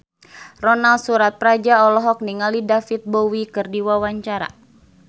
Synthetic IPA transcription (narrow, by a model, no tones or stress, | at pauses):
rɔnalsuɾat̪̚pɾad͡ʒaɔlɔɦɔk̚niŋalidafit̪̚bowikɨrdiwawaɲt͡ʃaɾa̰